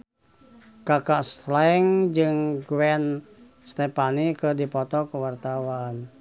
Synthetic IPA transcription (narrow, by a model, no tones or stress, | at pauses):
kakaʔslaɛŋd͡ʒɨŋɡwɛn | st̪epanikədipɔt̪ɔkəwart̪awan